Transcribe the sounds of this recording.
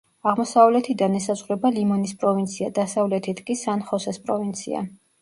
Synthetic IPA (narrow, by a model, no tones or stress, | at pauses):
aʁmɔsavlɛt̪ʰid̪anɛsazʁɾɛbalimɔnispʼɾɔvint̪sʰiad̪asavlɛt̪ʰit̪ʰkʼisanχɔsɛspʼɾɔvint̪sʰḭa̰